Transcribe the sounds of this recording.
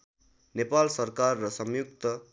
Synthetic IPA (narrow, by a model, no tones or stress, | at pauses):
nepalsʌrkarːʌsʌmjuk̚t̪ʌ